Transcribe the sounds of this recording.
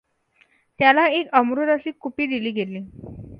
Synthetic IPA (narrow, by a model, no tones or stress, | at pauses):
t̪jalaekəmɾod̪əɕiːkupiːd̪iliːɡeliː